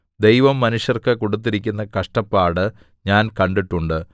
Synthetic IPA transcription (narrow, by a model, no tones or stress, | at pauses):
d̪e̞jʋɐmːɐnuʂjɐrkɨkoɽut̪̬ːiɾikʲːunːɐkɐʂʈɐpːaːɽɨ | ɲaːnkɐɳɖiʈːuɳɖɨ